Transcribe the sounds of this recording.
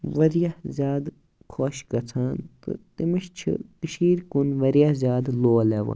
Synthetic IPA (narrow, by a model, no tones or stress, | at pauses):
ʋɐɾijazjaːd̪ | kʰoːʃɡɐt͡sʰaːnt̪ɨ̰t̪imiʃt͡ʃʰḭt̪iʃiːɾkunʋɐɾijazʲjaːd̪loːleːʋɐ̰n